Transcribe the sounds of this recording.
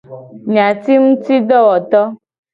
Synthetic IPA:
ɲã˨t̪i˦ŋũ˦t̪i˦ɖɔ˦wɔ˨t̪ɔ˦

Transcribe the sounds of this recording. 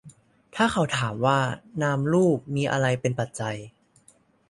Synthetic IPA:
t̪ʰaː˥˩ka˧˩wt̪ʰaː˩˦mwaː˥˩naː˧mɾuː˥˩p̚miː˧ʔa̰˧ɾa˧jpe˧npa˨˩t̪̚t͡ɕa˧j

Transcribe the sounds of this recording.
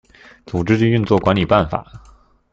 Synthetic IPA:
t͡su˨˩ʈ͡ʂɻ̩˥t͡ɕy˥˧y˥˧nt͡swɔ˥˩kwa˧˥nli˨˩pa˥˩nfa̰˨˩˦

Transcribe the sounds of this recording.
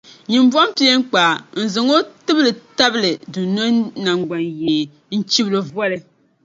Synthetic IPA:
ɲi˨mba˦mpi˦e˦ŋ˦k͡paː˨n̩˨zɨ˨ŋo˦tɨ˦blɨ˨ta˦bɨ˦lɨ˨du˨no˦na˨ŋɡ͡ba˨njeː˨ | n̩˦t͡ʃi˦blo˨vɔ˦lɨ˦

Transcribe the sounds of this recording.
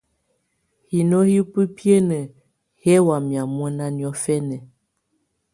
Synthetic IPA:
hi˨no˦hi˦pə˦pjə˦nə˨ | hɛ˦wa˨mja˨mwɛ˦na˦njɔ˦fɛ˦nə˨

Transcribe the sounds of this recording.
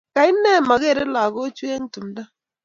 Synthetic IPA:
ka˨i˦nɛ˦˨ma˨ɣe˦˨ɾe˦la˨ɣo˦t͡ʃwe˦ŋ˦tu˨m˨da˦

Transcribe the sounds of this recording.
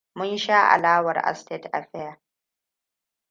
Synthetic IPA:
mʊ˦nʃaː˦ʔa̰˨laː˦wɐ˨rʔa̰˨ste˦tʔa̰˨ɸɛ˦ja˨

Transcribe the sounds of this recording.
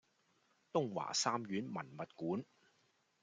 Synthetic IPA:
t̪ʊ˥ŋwa̰ː˨˩saː˥mɥyː˨˥nmɐ˨˩nmɐ˨t̚kuː˨˥n

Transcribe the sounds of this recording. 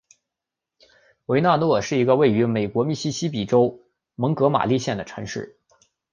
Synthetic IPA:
we˧˥ɪna˥˧nwɔ˥˧˩ʂɻ̩˥˩i˧˥ɡə˧we˥˩ɪy˧˥me˨˩ɪkwɔ˧˥mi˥˩ɕi˥ɕi˥p̬i˨˩ʈ͡ʂo˥ʊ | mɤ˧˥ŋkɤ˧˥ma̰˨˩li˥˧ɕjɛ˥˩nd̪ə˩ʈ͡ʂʰɤ˧˥ŋʂɻ̩˥˩

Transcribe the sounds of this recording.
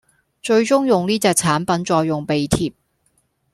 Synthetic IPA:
t͡ʃɵ˧ɥt͡ʃʊ˥ŋjʊ˨ŋniː˥t͡sɛː˧k̚t͡sʰaː˨˥npɐ˨˥nt͡sɔː˧jːʊ˨ŋpe˨jt̪ʰiː˨p̚

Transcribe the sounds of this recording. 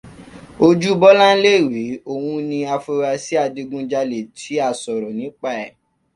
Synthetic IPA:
o˧d͡ʒu˦bɔ˦lã˦le˦i˨wi˨˦o˦˨wũ˧nĩ˧a˧fu˧ɾa˧si˦a˧di˧ɡũ˧d͡ʒa˧le˨tʰi˨˦a˦˨sɔ˨ɾɔ˨nĩ˨˦k͡pa˦ɛ˨

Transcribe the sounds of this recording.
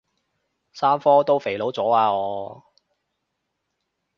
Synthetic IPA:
saː˥mfɔː˥t̪o˥wfe˨˩jlo˨˥wt͡sɔː˨˥aː˧ɔː˨˧

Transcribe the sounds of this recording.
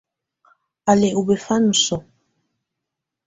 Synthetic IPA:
a˨le˨u˨be˨fa˦nu˨sɔ˨

